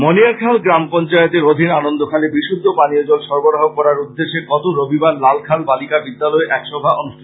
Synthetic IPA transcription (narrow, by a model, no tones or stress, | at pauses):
moniaɾkʰalɡɾampɔnt͡ɕaet̪eɾod̪ʱinanond̪okʰalebiʃud̪ʱːopaniod͡ʑolʃɔɾboɾaɦokɔɾaɾud̪ːeʃeɡɔt̪oɾobʱibaɾlalkʰalbalikabid̪ːalɔeʔɛkʃɔbʱaʔonuʃʈʰi̥